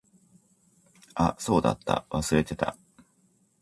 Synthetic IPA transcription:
aso̞ːd̪a̰t̪ːa̰βasɨɾe̞t̪e̞t̪a̰

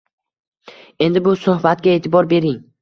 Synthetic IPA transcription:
e̞nd̪ɪbʊsʊhbat̪̚ɡʲae̞ːt̪ʰɪbɒɾbe̞ɾɪŋ

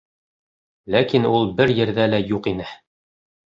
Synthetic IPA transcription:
lækinulˠbɘɾjɘ̆ɾðælæjuqinɘ

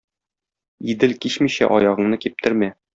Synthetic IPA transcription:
id̪ɘlkiɕmiɕæ̰ʔɒjɑʁɤ̆ɴnɤkip̚t̪ɘ̆ɾmæ

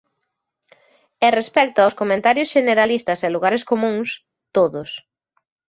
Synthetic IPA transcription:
erespɛk̚t̪ʊawskomẽnt̪aɾjʊsʃeneɾalist̪ɐsɛluɣaɾeskomũŋs | t̪oðʊs

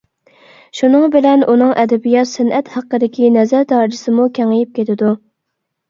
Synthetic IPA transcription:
ʃunɨŋbɪlɛnunɨŋʔɛd̪ɛbijɑt̪sɪnɛt̪hæqːəd̪ɪkʲinɛzæɾt̪ʰɑɾd͡ʒɪsɨmukʲʰæŋɪjip̚kʲʰet̪ʰɪd̪u

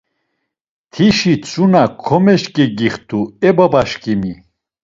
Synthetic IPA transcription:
t̪ʰiʃit͡sʰʼunakʰɔmɛʃkʼɛɡiχt̪ʰʼuɛbabaʃkʼimi

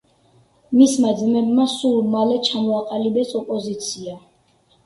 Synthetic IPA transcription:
mismad̪zmɛbmasulmalɛt͡ʃʰamɔaqʼalibɛsɔpʼɔzit̪sʰia

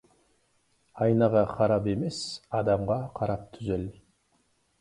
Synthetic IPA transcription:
ɑjnɑʁɑqʰɑɾɑpe̞me̞sɑd̪ɑmʁɑqʰɑɾɑp̚t̪ʰʏzel

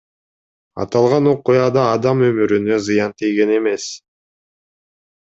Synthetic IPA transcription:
ɑ̰t̪ɑlˠʁɑno̞qujɑd̪ɑːd̪ɑmø̞myɾynø̞zɨjɑnt̪ʰijɡe̞ne̞me̞s

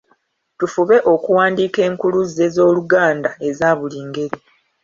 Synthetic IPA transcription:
tufuβe̞ʔo̞kuwaːndiːke̞ːŋkuluzːe̞zo̞ːluɡaːndae̞zaːβuliːŋɡe̞ɾi

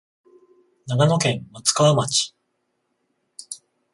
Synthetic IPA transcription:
naɡano̞kẽ̞ŋmat͡sɨ̥kaβamat͡ɕi̥

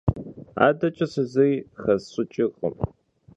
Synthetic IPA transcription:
a̰ːdɐt͡ʃʼɐsɨzɐjxɐzɕʼʊt͡ʃʼɪʁʼə̰m

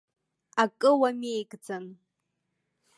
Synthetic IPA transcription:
akʼɨwamejkʼd͡zan

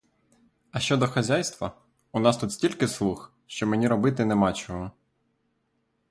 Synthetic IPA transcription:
ɐʃt͡ʃɔd̪ɔxɐzʲajst̪ʋɐ | unɑst̪ut̪sʲtʲilʲkɪslˠux | ʃt͡ʃɔmenʲiɾɔbɪt̪ɪnɛmɑt͡ʃɔɦɔ

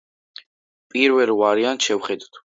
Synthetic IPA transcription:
pʼiɾvɛlwaɾianʃɛwχɛd̪t̪ʰ

